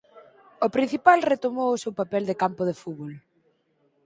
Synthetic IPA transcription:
opɾin̟θipalret̪omowʊsewpapɛld̪ekampoð̞efuβol

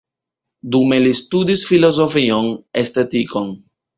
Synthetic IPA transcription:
dume̞listudisfilo̞zo̞fio̞ne̞ste̞tiko̞n

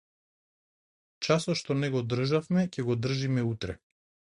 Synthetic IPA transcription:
t͡ʃasɔt̪ʃt̪ɔnɛɡɔd̪r̩ʒafmɛcɛɡɔd̪r̩ʒimɛut̪ɾɛ

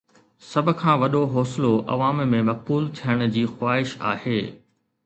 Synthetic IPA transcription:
sɐbʱʊ̆kʰãːʋɐɗoɦɔːsloʔɐ̰ʋaːmmẽmɐk̚buːlt̪ʰijəɽ̃̆d͡ʑiːxwaːɦɪʃa̰ːɦeː

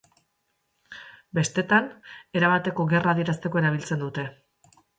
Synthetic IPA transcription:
be̞st̪e̞t̪ane̞ɾaβat̪e̞ko̞ɣe̞raːðie̞ɾast̪e̞ko̞e̞ɾaβ̞ilt͡se̞nd̪ut̪e̞

